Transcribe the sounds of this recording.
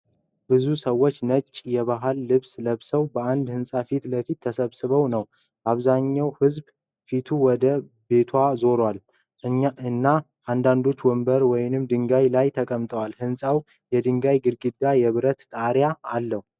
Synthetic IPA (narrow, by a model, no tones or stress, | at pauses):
bɨzusəwːo̞t͡ʃːnət͡ʃʼːjɛβaɦalːɨβsləβsəwbəand̪hɨnsʼafit̪ləfit̪ʰːəsəβsɨβəwnəw | baβzaɲːawhɨzb | fit̪ʰuwɔd̪ə | be̞t̪ʰwazo̞ɾwal | ɨnːa | ʔand̪and̪o̞t͡ʃːwɔmbəɾwɔjɪnɨmd̪ɨŋɡajlajt̪ʰəkʼəmt̪ʼəwalhɨnsʼaw | jɛd̪ɨŋɡajɡɨɾɡɨd̪ːajɛβɨɾət̪t̪ʼaɾjaalːəhu